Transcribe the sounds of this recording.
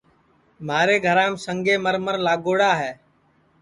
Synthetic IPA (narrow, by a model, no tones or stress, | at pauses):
maːɾeːɡʱəɾãːmsəŋɡeːməɾməɾlaːɡoːɽaːɦɛː